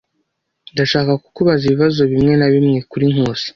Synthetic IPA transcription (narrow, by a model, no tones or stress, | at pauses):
ndaʃaːkaku̥kuβaziβiβazo̞βimŋe̞naβimŋe̞kuɾiŋ̥uːsi̥